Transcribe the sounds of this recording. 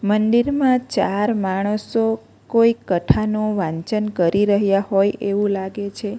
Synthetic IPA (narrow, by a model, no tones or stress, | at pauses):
məɳɖiɾmãt͡ʃaɾmaɽ̃əso | koikəʈʰanõʋãɲt͡ʃənkəɾiɾəɦjahojeʋũlaɡet͡ʃʰe